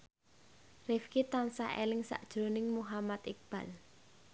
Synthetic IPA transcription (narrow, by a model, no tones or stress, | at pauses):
rɪfkit̪ansa̰ʔḛlɪŋsa̰ʔd̥ʒ̥ɾonɪŋmuɦamat̪ik̚b̥a̤l